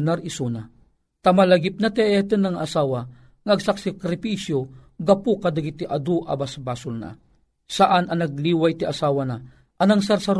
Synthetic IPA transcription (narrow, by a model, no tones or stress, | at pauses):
naɾisuna | t̪amalɐɡɪp̚nat̪ɛɛt̪ənːaŋaːsaːwa | ŋaːɡsak̚sɛkɾɪpisjoɡapukad̪aɡit̪iʔad̪uʔa̰basbaːsʊlna̰ | saʔanɐnɐɡ̚liːwajt̪iʔɐsaːwana | ʔɐnaŋsaɾsaɾ